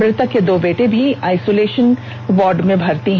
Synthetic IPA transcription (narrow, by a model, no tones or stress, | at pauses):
ɾɪt̪aked̪oːbeːʈẽbʱiaːɪsoːleːʃən | ʋɔːɾɖmẽbʱɐɾt̪iɦ